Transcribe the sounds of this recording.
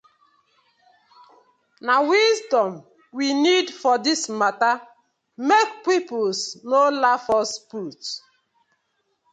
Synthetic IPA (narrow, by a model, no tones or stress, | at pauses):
nawizdɔ̃m | winidfɔdismata | mek̚pipolsnolafɔsput